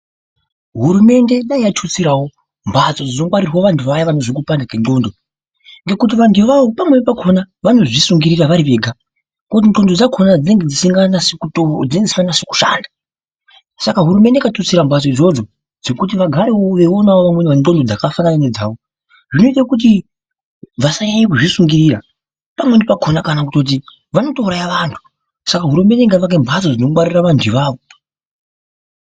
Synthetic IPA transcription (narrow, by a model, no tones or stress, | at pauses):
ɦuɾume̞nde̞ɗaijatʰut͡siɾawo̞ | mbwat͡so̞d͡zino̞ŋɡwaɾiroʋantʰuʋajaʋano̞ʐik̬upandakeno̞ːndo̞ | ŋɡe̞kut̬iʋantʰuʋaʋo̞pamwe̞pakʰo̞na | ʋano̞ʐisuŋɡiɾiraʋaɾiʋe̞ːɡʱa | kot̬ino̞ndo̞d͡zakʰo̞nad͡zine̞ŋɡed͡zisiŋɡanasekutod͡zineziiŋɡanase̥ku̥ʃa̰ːnda | sakaɦuɾume̞nde̞katosiɾambas̬oid͡zo̞d͡zo̞ | d͡ze̞kut̬iʋaɡʱaɾeoʋe̞onaoʋamwenanto̞ndo̞d͡zakafananane̞d͡zaːʋo | ʐino̞it̬akut̬i | ʋasaɲaɲek̬uʐisuŋɡiɾiːra | pamwendipaɡʱo̞nakanakuto̞t̬i | ʋano̞touɾajaʋantʰu̥ | sakaɦuɾume̞ndeŋɡaʋak̬embʱasod͡zino̞kuɓaɾiraʋantʰiʋaːʋo